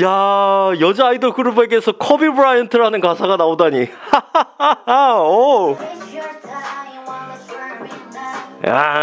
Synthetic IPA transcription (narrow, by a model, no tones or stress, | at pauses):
jajʌd͡ʑaaidʌɡɯɾube̞ɡe̞sʰʌkʰʌbibɯɾajʌntʰɯɭɦanɯnkasʰaɡanaodaɲia | o | a̰